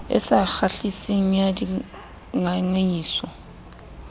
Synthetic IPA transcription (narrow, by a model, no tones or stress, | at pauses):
ɛ̰saxaɬisiŋ̩jadi | ŋaŋeɲiːsɔ